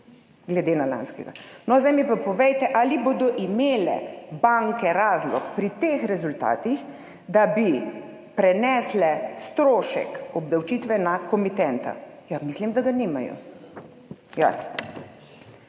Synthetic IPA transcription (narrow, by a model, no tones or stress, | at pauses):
ɡlɛd̪eːnala̰nskɛ̰ɡa̰nɔzd̪ajmipapɔʋɛjt̪ɛʔaliboːd̪ɔʔimeːlɛ̰baŋkɛɾaːzlɔkpɾit̪eːxɾɛzult̪a̰ːt̪ix | d̪abi | pɾɛnɛːslɛst̪ɾoːʃɛ̰kɔbd̪awt͡ʃiːt̪ʋɛnakɔmit̪ɛnt̪a̰jamislimd̪aɡanimajɔ̰ | ja̰